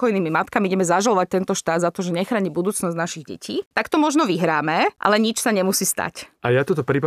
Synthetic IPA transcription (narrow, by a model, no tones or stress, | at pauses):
pkɔjniːmimat̪kamiiɟɛmɛzaʒalɔʋac̚t̪ɛnt̪ɔʃt̪aːd̪zat̪ɔʒɛɲɛxɾaːɲibud̪uːt͡snɔznaʃiɣɟɛ̰cʰiːt̪akt̪ɔmɔʒnɔʋiɦɾaːmɛʔa̰lɛɲit͡ʃsaɲɛmusiːst̪a̰cʔajat̪ɔt̪ɔpɾip